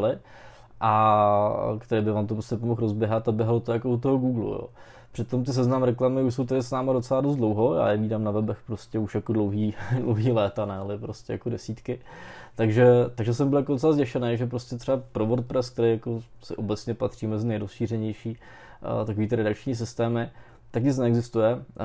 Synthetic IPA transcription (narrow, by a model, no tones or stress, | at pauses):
lɪ | ʔa | kt̪ɛɾeːbɪvaːmt̪opɾoscɛpomoxɾozbjɛɦat̪abjɛɦalot̪ojakout̪oɦoɡuːɡlṵjo̰ː | pr̥ɪt̪o̞mt̪ɪs̬ɛznamɾɛklamɪuʃso̞wt̪adɪsnaːmadot͡sɛladost̪dlowɦo̞ja̰ːjɛviːdaːmnavɛbɛxpɾoscɛuʃjakodlowɦiːdlowɦiːlɛːt̪anɛalɪpɾoscɛja̰kodɛsit̪kɪ | t̪aɡʒɛt̪aɡʒɛs̬ɛmbɪljakodot͡sɛlazɟɛʃɛnejʒɛp̬ɾoscɛt̪r̥ɛapɾovoɾt̪̚pɾɛsk̚t̪ɛɾejakosɪ̰ʔobɛtt͡sɲɛpat̪r̝̥iːmɛzɪnɛjɾosʃiːɾɛɲɛjʃiː | t̪ako̞viːt̪ɪɾɛdakt͡ʃɲiːs̬ɪst̪ɛːmɪ | t̪akɲɪt͡snɛɛɡzɪst̪ujɛ